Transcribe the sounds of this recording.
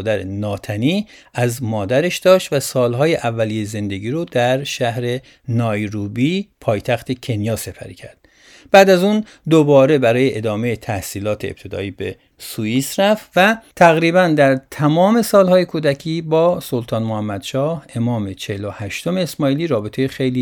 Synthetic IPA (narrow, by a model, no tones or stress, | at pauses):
d̪æɾḛnɒːt̪ʰæniːæzmɒːd̪æɾeʃd̪̥ɒːʃt̪væsɒːlɦɒːjeʔævːælijeze̞nd̪e̞ɡiːɾod̪æɾʃæhɾe̞ | nɒːjɾuːbiːpʰɒːjt̪ʰæxt̪ʰecʰe̞njɒːse̞pʰæ̰ɾḭːcʰæɾd̪̚ | b̥æːd̪æzun | d̪obɒːɾe̞bæɾɒːjeʔed̪ɒːme̞jet̪ʰæhsiːlɒːt̪ʰeḛp̚t̪ʰe̞d̪ɒ̰ːiːbe | suiːsɾæft̪væt̪ʰæɣɾiːbænd̪æɾt̪ʰæmɒːme̞sɒːlhɒːje̞kʰuːd̪æcʰiːbɒːsolt̪ʰɒːnmohæmːæd̪ʃɒːhe̞mɒːme̞t͡ʃʰelohæʃt̪o̞me̞ːsmɒːiːliːɾɒːbe̞t̪ʰe̞jexejliː